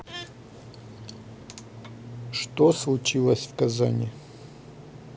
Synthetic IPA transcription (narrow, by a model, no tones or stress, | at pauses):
ʂt̪oslˠut͡ʃilˠɐsʲvkaza̰nʲɪ